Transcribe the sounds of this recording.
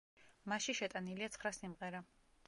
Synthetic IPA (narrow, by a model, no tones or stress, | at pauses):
maʃiʃɛt̪ʼaniliat̪sʰχɾasimʁɛɾa